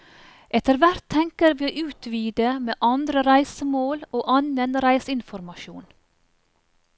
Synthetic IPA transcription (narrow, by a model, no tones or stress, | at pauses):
ʔɛt̪əɾʋæɾt̪ʰːɛŋkəɾʋiːoʔʉːt̪ʰʋiːd̪əmḛːʔɑnd̪ɾəɾæɪsəmoːloːʔɑnənɾæɪsɪnfɔɾmɑʃuːn